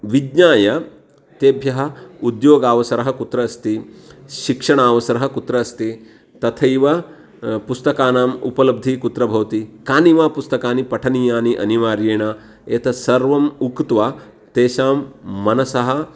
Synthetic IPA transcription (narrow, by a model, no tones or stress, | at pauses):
ʋidɲaːjɐ | t̪eːbʱjɐɦɐ̆ud̪joːɡaːʋɐsɐɾɐɦɐkut̪ɾɐɐst̪iʃikʂɐɳaːʋɐsɐɾɐɦɐ̆kut̪ɾɐːst̪i | t̪ɐt̪ʰɐjʋɐ | pust̪ɐkaːnaːmṵpɐlɐb̚d̪ʱikut̪ɾɐbʱɐʋɐt̪ikaːniʋaːpust̪ɐkaːnipɐʈʰɐniːjaːniʔɐ̰niʋaːɾjeːɳaː | et̪ʰɐsɐɾʋɐmukt̪ʋaː | t̪eːʃaːmːɐnɐsɐɦɐ̆